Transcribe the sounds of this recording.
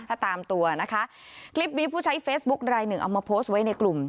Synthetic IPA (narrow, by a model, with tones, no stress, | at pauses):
t̪ʰaː˥˩t̪aː˧mt̪u˧ɐna˦˥kʰa˦˥ʔkʰli˦˥p̚niː˧pʰuː˥˩t͡ɕʰa˦˥jfeː˦˥s̚bu˦˥k̚ɾaː˧jnɯ˨˩ŋʔa̰˨˩wmaː˧pʰoː˦˥st̚wa˦˥jna˧jklu˨˩m